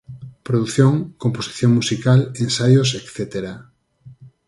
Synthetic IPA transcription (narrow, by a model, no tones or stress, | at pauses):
pɾoðuθjõŋkomposi̥θjõŋmusikalẽnsajosekθet̪eɾa